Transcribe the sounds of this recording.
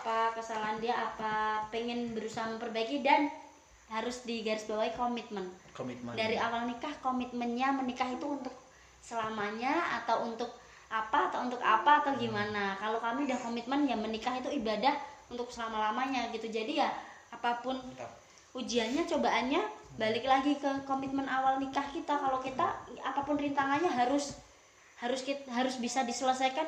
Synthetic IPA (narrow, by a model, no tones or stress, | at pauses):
apakəsalandiaʔapapeŋɪnbəɾusaɦaməmpərbaikidan | ɦaɾʊsdiɡaɾɪsbawajkomit̪̚məndaɾiawalnikahkomit̪̚mənɲamənikaɦit̪uːnt̪ʊk̚ | səlamaɲaa̰t̪awunt̪ʊk̚ | ʔapaːt̪aunt̪ʊka̰paːt̪aɡimanakalokamidahkomit̪̚mənjamənikaɦit̪uibadahunt̪ʊk̚səlamalamaɲaɡit̪ud͡ʒadija | apapʊn | ud͡ʒianɲat͡ʃobaʔanɲabalɪk̚laɡikəkomit̪̚mənawalnikahkit̪akalokit̪aapapʊnrint̪aŋanɲaɦaɾʊs | haɾʊskiɦaɾʊsbisadisələsajkan